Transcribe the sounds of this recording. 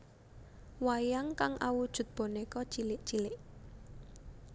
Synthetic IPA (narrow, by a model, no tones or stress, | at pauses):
wajaŋkaŋʔawud̥ʒ̥ṳt̪̚b̥o̤nekɔ̥t͡ʃilɪʔt͡ʃilɪʔ